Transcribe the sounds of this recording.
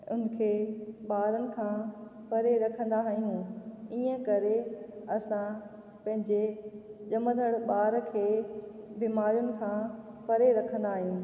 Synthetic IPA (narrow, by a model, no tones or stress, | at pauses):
ʊ̰nkʰeːɓaːɾənɪ̆kʰãːpɐɾeɾɐkʰə̃nd̪aɦijũiːə̃kɐɾeɐsã | pɐ̃ɦɪ̃ɲd͡ʑeʄɐməd̪ʱəɽɓaːɾkʰeːbiːmaːɾijʊnɪ̆kʰãːpɐɾeɾɐkʰə̃n̆d̪aːɦjũː